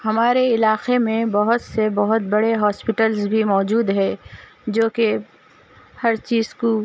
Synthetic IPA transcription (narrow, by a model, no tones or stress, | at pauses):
hɐmaːɾeɪlaːqemẽbɐɦʊt̪sebɐɦʊt̪bɐɽeɦɔːspɪʈəlzbʱimɔːd͡ʒuːd̪ɦɛ̃ | d͡ʒoːke | hɐɾt͡ʃiːzko